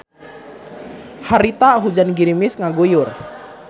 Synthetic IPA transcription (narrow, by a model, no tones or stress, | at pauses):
haɾit̪aɦud͡ʒanɡiɾimɪsŋaɡujʊr